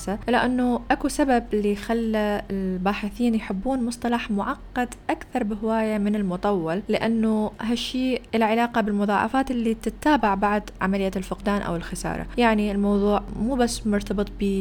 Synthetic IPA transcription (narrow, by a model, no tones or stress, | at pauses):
saʔɪlaʔanːʊʔakusababɪlːixalːaɪlbaːħɪθiːnjħɪbːuːnmʊsˤt̪ˤɑlɑħmʊʕɑqːɑd̪ʔakθɑɾˤbɪɦɪwaːjamɪnɪlmʊt̪ˤɑwːɑllɪʔanːʊɦaʃːiːʔɪlaʕɪlaːqɑbɪlmʊðˤɑːʕɑ̰faːt̪ʔɪlːit̪ɪt̪ːaːbaʕbaʕd̪ʕa̰malɪjːaɪlfʊqd̪aːnʔa̰wɪlxɪsɑ̰ːɾˤɑ̰jaʕniɪlmɑwðˤuːʕmuːbasːmʊɾt̪ɑbɨt̪̚ˤbiː